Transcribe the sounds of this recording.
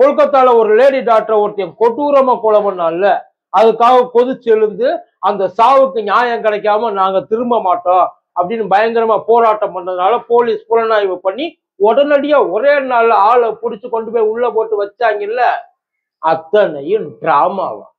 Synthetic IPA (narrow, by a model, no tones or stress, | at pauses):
kɔɻɯk̬ːɐt̪ːaːlɐɔɾɯleːɽiɖaːk̚ʈːɾɐɔɾt̪ːɐjɐkɔʈːɯɾɐmaːkɔːɭɐmɐnːaːlːɐ | ɐðɯkːaːɣɐpɔðɯt͡ʃːɛɻɯnd̪ɯ | ɐnd̪ɐsaːʋɯkːɯɲaːjɐ̃ŋkɪɽɐkːaːmɐnaːŋɡɐt̪ɪɾɯmbɐmaːʈːõː | ɐpːɐɽɪnːɯbɐjɐŋɡɐɾɐmaːpoːɾaːʈːɐmpɐɳːɐðɯnaːlɐpoːliːspʊɾɐnaːjʋɯpɐɳːi | ɔɽɐnɐɽɪjaːɔɾeːnaːlːɐaːɭɐpʊɽɪt͡ʃːɯkɔɳɖɯpoːjʊɭːɐpoːʈːɯʋɐt͡ʃːaːŋɡɐɪlːɐ | ɐt̪ːɐnɐjɯmɖɾaːma̰ːʋã̰